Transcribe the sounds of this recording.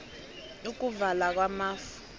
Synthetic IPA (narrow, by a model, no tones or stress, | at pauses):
uk̬ʼuvalak̬wamaːfu̥